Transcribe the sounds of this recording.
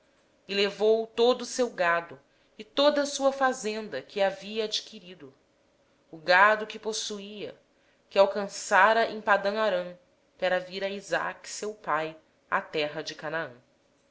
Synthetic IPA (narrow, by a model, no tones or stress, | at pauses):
ɪlevowt̪od̪ʊːsewɡad̪ʊ | ɪt̪od̪ɐsuɐfazẽnd̪ɐkɪaviɐad͡ʒikiɾid̪ʊ | ʊɡad̪ʊkɪposuiɐ̰ | kɪawkɐ̃saɾɐʔẽj̃pad̪ɐ̃w̃aɾɐ̃ | kaɾɐviɾɐiza̰ksewpaj | a̰t̪ɛɦɐd͡ʒɪkanaə̃